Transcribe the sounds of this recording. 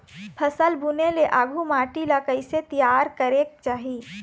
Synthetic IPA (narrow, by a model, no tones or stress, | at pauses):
pʰəsəlbuneleʔaːɡʱumaːʈiləkəiset̪ijaːɾkəɾek̚t͡ʃaːɦi